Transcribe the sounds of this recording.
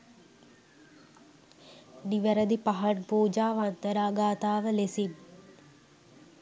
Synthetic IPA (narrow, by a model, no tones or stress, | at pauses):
ɖiʋəɾəd̪ipaɦɐʈ̚puːd͡ʒaːʋant̪əɾaːɡaːt̪aːʋəlesib